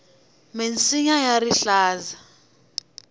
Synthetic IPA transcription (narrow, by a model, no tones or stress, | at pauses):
ment͡sʼiɲajariɬaːza